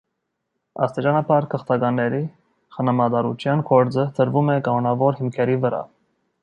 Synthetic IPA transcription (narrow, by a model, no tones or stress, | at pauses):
ɑ̰st̪it͡ʃɑnɑpʰɑɾkʰəχt̪ɑɡɑnːɛɾi | χənɑmɑd̪ɑɾut͡ʃʰjɑnkʰɔɾd͡zət̪ʰəɾvumɛkɑmɔnɑvɔɾhimkʰɛɾivəɾɑ̰